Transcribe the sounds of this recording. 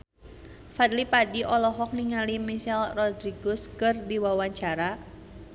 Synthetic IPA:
fat̪̚lipadiʔɔlɔɦɔk̚niŋalimiʃɛlrɔd̪ɾiɡɔskɨrdiwawaɲt͡ʃaɾa

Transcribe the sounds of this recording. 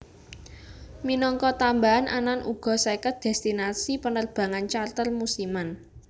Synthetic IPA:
minɔŋkɔt̪ambaanʔa̰nanʔṵɡ̥ɔ̤sakət̪̚d̪̥ɛst̪inasipənərb̥a̤ŋant͡ʃart̪ərmusiman

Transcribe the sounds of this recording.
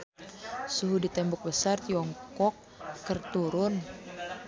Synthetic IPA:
suɦudit̪ɛmbɔk̚bəsart̪iɔŋkɔkː | ərt̪uɾʊn

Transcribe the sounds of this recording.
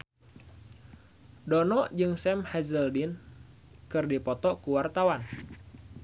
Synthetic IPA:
dɔnɔʔd͡ʒɨŋsɛmhɛzəldin | kɨrdipɔt̪ɔkuwart̪awan

